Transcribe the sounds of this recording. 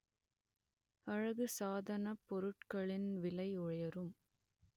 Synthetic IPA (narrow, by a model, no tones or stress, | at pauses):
ɐɻɐɣɯsaːðɐnɐpːɔɾɯʈkɐɭɪnʋɪlɐɪʊɻɐjɐɾɯm